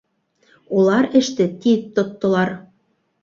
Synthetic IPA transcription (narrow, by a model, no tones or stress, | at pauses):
ulˠɑɾɘ̆ʃt̪ɘ̆t̪itt̪ːot̪ːŏlˠɑr